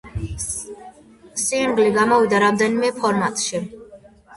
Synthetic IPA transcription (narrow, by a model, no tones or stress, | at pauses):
simɡliɡamɔvid̪aɾamd̪ɛnimɛpʰɔɾmat̪ʼʃi